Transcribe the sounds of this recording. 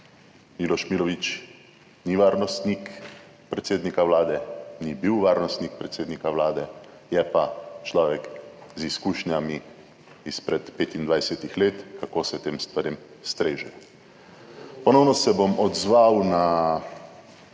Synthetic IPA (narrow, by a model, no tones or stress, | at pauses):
miːlɔʃmilɔʋit͡ʃ | niʋaːɾnɔst̪nik | pɾɛt̪seːd̪nikaʋlaːd̪ɛnibiwʋaːɾnɔst̪nik̚pɾɛt̪seːd̪nikawlaːd̪ɛ | jɛpat͡ʃlɔːʋɛkziskuːʃnjami | ispɾɛt̪peːt̪ind̪ʋajsɛt̪ixleːt̪kakoːsɛt̪eːmst̪ʋaɾim | st̪ɾeːʒɛ | pɔnɔwnɔsɛbomɔd̪zʋawna